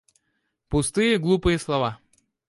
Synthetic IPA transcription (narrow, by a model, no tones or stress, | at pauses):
pʊst̪ɨjəɡlˠupɨjəslˠɐva